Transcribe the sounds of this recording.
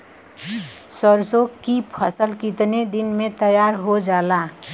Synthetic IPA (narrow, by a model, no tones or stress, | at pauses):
səɾsokːipʰəsəlkit̪ned̪ɪnmẽt̪əjaːɾɦod͡ʒaːlaː